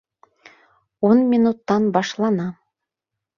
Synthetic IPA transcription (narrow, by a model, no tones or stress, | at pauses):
onmʲinut̪ːɑnbɑʃlˠɑnɑ